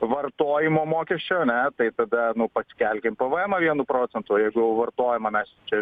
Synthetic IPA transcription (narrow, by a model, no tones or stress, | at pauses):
ʋɐrt̪oːjɪmoːmoːkʲɛsʲt͡ʃʲoːɐnʲɛt̪ɐɪt̪ɐd̪ɐnʊpɐsʲkʲɛlʲkʲempɐʋɛɛmɐʋʲiɛnʊpɾoːt͡s̪ʲɛnt̪ʊjɛɪɡʊjɛʊʋɐrt̪oːjɛmɐmʲɛst͡ʃʲɛ